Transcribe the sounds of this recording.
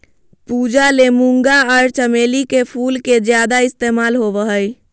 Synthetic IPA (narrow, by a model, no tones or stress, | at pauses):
pud͡ʒalemuŋɡaəɾt͡ʃəmelikepʰulked͡ʒjad̪aist̪emalɦobəɦəj